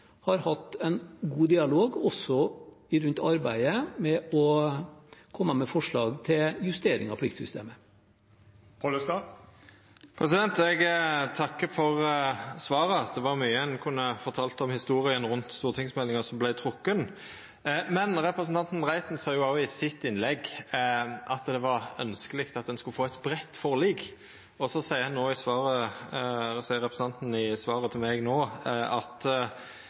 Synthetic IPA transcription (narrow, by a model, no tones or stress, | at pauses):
hɑɾhɑt̪ːæɪnɡuːd̪ɪɑloːɡɔsɔ | ɪɾʉnt̪ɑɾbæɪəmɛɔ | kʰɔmːəmɛfɔʂɭɑːɡt̪ʰɪljʉst̪eːɾɪ̰ŋɑ̰pʰlɪkt̪sʏ̰st̪ḛːmə | pʰɔlsɑ | pʰɾɛsɪd̪ɛnt̪ɛɡt̪ʰɑkːəfɔʁsʋɑːɾəɑt̪̚d̪ɛʋɑɾmyːəɛnkʰʉnːəfɔɾt̪ʰɑːlt̪ɔmhɪst̪uːɾɪənɾʉnt̪st̪uːʁət̪ʰɪŋsmɛlːɪŋəsɔmblæɪt̪ʰɾʊkːən | mɛnɾɛpɾəsn̩t̪ʰɑnt̪n̩ʁæɪt̪nsɑːjʊɑʊɪsɪt̪ːɪnlɛɡ | ʔɑt̪d̪ɛʋɑɾœ̰nskəlɪkt̪ɑt̪̚d̪ɛnskʉləfoːæɪt̪bɾɛt̪ːfɔɾɭiːɡ | ɔsɔsæɪəɾhɑnnoːɪsʋɑːɾə | sæɪəɾɛpɾəsn̩ɑnt̪n̩ɪsʋɑːɾət̪ʰɪlmɛɡnoːɑt̪